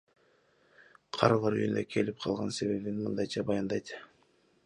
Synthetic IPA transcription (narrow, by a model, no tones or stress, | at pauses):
qʰɑɾɑlˠɑɾyjynd̪økʰe̞lip̚qʰɑlˠʁɑnse̞βe̞βinmɯnd̪ɑjt͡ʃɑbɑjɑnd̪ɑjt̪